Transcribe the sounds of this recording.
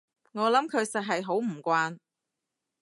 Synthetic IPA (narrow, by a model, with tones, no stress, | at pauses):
ŋɔː˨˧lɐ˨˥mkʰɵ˨˧ɥsɐ˨t̚ɦɐ˨jɦo˨˥wm̩˨˩kʷaː˧n